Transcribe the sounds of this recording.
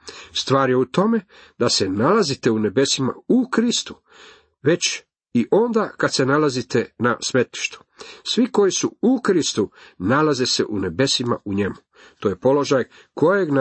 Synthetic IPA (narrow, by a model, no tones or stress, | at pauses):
st̪ʋaːɾje̞ut̪o̞me̞ | d̪ase̞nalazit̪eune̞be̞sima̰ukɾist̪u̥ | ʋe̞t͡ɕ | iʔo̞nd̪akad̪se̞nalazit̪e̞na̰sʋe̞t̪i̥ʃt̪u̥sʋiko̞jisuukɾist̪unalaze̞se̞̰ʔune̞be̞sima̰ʔuɲe̞mu | t̪o̞ːje̞po̞lo̞ʒaj | kʰo̞jeɡn